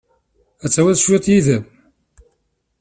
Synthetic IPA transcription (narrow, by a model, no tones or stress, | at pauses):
æt͡sːæwæðʃuæt̪jiðəm